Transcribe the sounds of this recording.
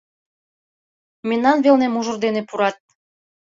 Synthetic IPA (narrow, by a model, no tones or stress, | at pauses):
menːɑnβelnemuʒurd̪enepuɾɑt̪̚